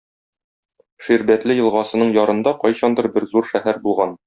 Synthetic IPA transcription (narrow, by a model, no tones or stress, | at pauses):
ʃiɾbæt̪lɘjɤ̆lˠʁɑsɤ̆nɤɴjɒɾɤ̆nd̪ɑqɒjɕɑnd̪ɤɾbɘɾzuɾʃæhæɾbulˠʁɑn